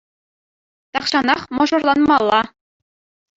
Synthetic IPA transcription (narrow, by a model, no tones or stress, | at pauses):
t̪ɑχɕɑnɑχmɤ̆ʐɤ̆rlˠɑnmɑlˠːɑ